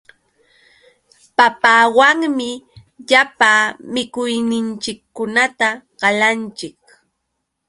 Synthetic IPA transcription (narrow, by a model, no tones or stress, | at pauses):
papaːwaŋmɪ | ʎapaːmɪkʊjnɪnt͡ʃɪkːʊnat̪aɢɑlant͡ʃɪk̚